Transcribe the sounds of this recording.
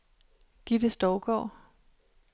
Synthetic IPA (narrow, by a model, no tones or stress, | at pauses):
ɡ̥id̥əsd̥ɒʊɡ̥ɒ̰ː